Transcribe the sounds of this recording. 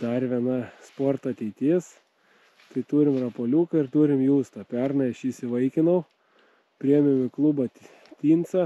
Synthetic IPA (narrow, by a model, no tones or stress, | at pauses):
d̪ɐɾʋʲiɛnɐspoːrt̪oːɐt̪ʲɛɪt̪ʲiːs | t̪ɐɪt̪uːɾʲɪmrɐpoːlʲuːkɐɪɾt̪uːɾʲɪmjuːst̪ɐpʲɛrnɐɐʃisʲɪʋɐɪkʲɪnɐʊ | pʲɾʲiɛmʲɪmʲɪklˠubɐ | t̪ʲiːnt̪sɐ